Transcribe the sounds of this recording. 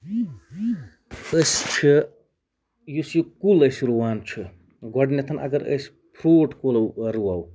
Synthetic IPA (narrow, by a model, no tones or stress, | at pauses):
əst͡ʃʰi | jusjukuləsɾuwaːnt͡ʃʰu | ɡɔɖnet̪ʰɐnʔɐ̰ɡɐɾə̰s | pʰɾoːʈʰkolɐwɾuaw